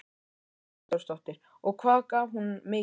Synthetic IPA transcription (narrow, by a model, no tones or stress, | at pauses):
tɔwɾst̪ɔht̪ɪɾ̥ | ɔɣkʰvaːkaɦunmeː